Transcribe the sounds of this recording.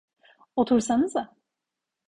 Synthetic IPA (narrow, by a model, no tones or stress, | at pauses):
ot̪ʰuɾsanɯza